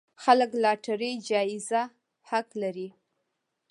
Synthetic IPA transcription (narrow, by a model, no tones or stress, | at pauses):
xaləklɑʈaɾəjd͡ʒɑjɪza | haklaɾi